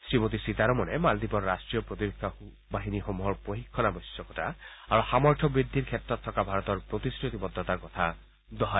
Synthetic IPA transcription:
sɾimot̪̬isit̪aɾɔmɔnemald̪ipɔɾɾasʈɾijɔpɾot̪ibekʰːa | baɦinixomuɦɔɾpoɦikʰːɔnabɔjsjɔkɔta | aɾuxamɔɹtʰɔbɾid̪ʱːiɾkʰet̪ɾɔt̪ʰːɔkabʱaɾɔt̪ɔɾpɾot̪iskɾut̪ibɔd̪ːɔt̪aɾkɔt̪ʰa | d̪ɔɦa

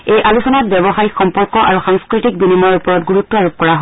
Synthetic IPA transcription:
ejʔalusɔnat̚bɔbɔxaɹixɔmpɔɹkɔʔa̰ɹuxaŋskɹitik̚binimɔupɔɹɔtɡuɹutːɔaɹop̚kɔɹaɦo

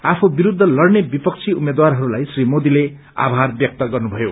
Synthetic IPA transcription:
apʰobiɾud̪ʱːʌlʌrnebipʌk̚t͡sʰiumed̪warɦʌɾulajsrimod̪ile | a̰bʱarbjʌk̚t̪ʌɡʌrnubʱʌjo̰

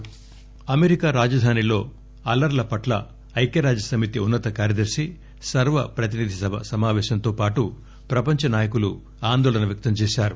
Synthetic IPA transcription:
ɐmeɾikaːɾaːd͡ʒɐd̪ʱaːnilo̞ː | ɐlɐɾlɐpɐʈlɐ̰ | ɐjkjɐɾaːd͡ʒɐsɐmit̪iunːɐt̪ɐkaːɾjɐd̪ɐɾʂi | sɐɾʋɐpɾɐt̪inid̪ʱisɐmaːʋɛːʃɐnt̪o̞ːpaːʈu | pɾɐpɐɲt͡ʃɐnaːjɐkulu | aːnd̪oːɭɐnɐʋjɐk̚t̪ɐmt͡ʃɛːʃaːɾu

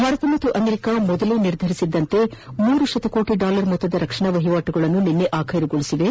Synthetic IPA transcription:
bʱaːɾɐt̪ɐmɐt̪ːuʔɐmeɾikamɔd̪ɐluniɾd̪ʱɐɾisid̪ːɐnt̪e̞muːɾuʃɐt̪ɐkoːʈiɖaːlɐɾmɔt̪ːɐd̪ɐɾɐkʂɐɳɐʋɐɦiʋaːʈuɡɐɭɐnːuninːeʔaːkʰɐjɾiɡoɭisiʋe̞

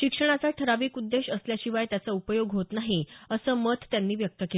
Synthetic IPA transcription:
ɕikʂəɽ̃at͡saʈʰəɾaʋiːkud̪ːeɕəsljaɕiʋajt̪jat͡saupəjoɡɦot̪naɦiəsəːmət̪t̪ːjanːiːʋjək̚t̪əke

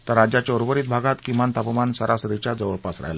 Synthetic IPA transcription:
t̪əɾad͡ʑat͡ɕoɾʋəɾiːt̪̚bʱaɡat̪kimant̪apmansəɾʔasɾit͡ɕad͡zəʋəɭpasɾa̰jla

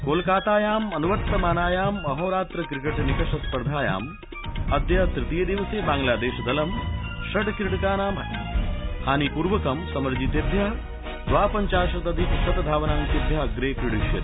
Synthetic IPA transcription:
koːlkaːt̪aːjaːmɐnuʋɐt̪ːɐmaːnaːjaːmːɐɦoːɾaːt̪ɾɐkɾikeʈnikɐʃɐspɐɾd̪ʱaːja̰ːm | ɐd̪jɐt̪ɾɪt̪ijɐd̪iʋɐseːbaːŋɡlaːd̪eːʃɐd̪ɐlɐmʃɐʈkɾiɽkaːnaːm | haːnipuɾʋɐkɐmsɐmɐɾd͡ʒit̪ed̪ʱjaː | d̪ʋaːpɐɲt͡ʃaːʃɐt̪ɐd̪ipsɐt̪d̪ʱaːʋɐnaːmk̪id̪ʱjaːɐɡɾeːkɾiɽiʃjɐ̰ɾ

